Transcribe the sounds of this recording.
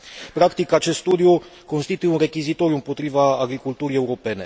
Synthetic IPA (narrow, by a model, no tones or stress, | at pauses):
pɾakt̪ikat͡ʃe̞st̪st̪ud̪iuko̞nst̪it̪ujeunre̞kʲizit̪o̞ɾjuɨmpot̪ɾivaːɡɾikult̪uɾie̞uɾo̞pe̞ne̞